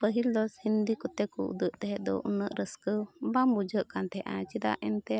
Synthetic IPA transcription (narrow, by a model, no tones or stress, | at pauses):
pəɦild̪ɔshind̪ikɔt̪ɛkɔʔṵd̪əʔt̪ɛɦɛʔd̪ɔ̰ʔṵnəʔɾʔəskəbamud͡ʒəʔkant̪ɛʔãt͡ʃid̪a̰ʔɛnt̪ɛ